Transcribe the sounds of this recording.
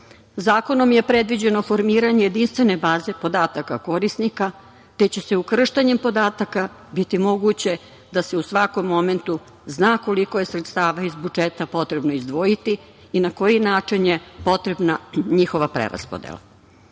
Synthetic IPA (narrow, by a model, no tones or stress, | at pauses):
zaːko̞no̞mjepɾe̞d̪ʋid͡ʑe̞no̞fo̞ɾmiːɾaɲeje̞d̪inst̪ʋe̞ne̞baːze̞po̞d̪aːt̪akako̞ɾisnika | t̪e̞t͡ɕe̞seukr̩ʃt̪aɲe̞mpo̞d̪aːt̪aka | bit̪imo̞ɡut͡ɕe̞ | d̪ase̞usʋako̞mːo̞me̞nt̪u | znaːko̞liko̞je̞sɾet̪st̪aːʋaizbud͡ʒet̪apo̞t̪ɾe̞bno̞izd̪ʋo̞jit̪iː | nako̞jinaːt͡ʂinje̞po̞t̪ɾe̞bnaɲixo̞ʋapɾḛɾa̰spod̪ḛla̰